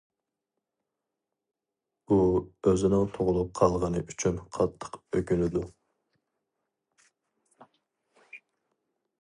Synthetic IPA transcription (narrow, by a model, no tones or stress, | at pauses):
uøzɪnɪŋt̪ʰoʁʊlˠup̚qʰɑlˠʁənɨʔyt͡ʃʰynqʰɑt̪ʰːə̥qøɡʲylɪd̪u